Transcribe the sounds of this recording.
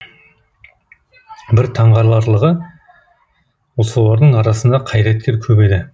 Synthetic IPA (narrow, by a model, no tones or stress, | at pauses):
bɪɾt̪ʰɑɴʁɑɾlˠɑɾlˠəʁə | wosˠɑwlˠɑɾd̪əɴɑɾɑsənd̪ɑqʰɑjɾet̪̚kʲe̞ɾkʲʰɵbe̞d̪ɪ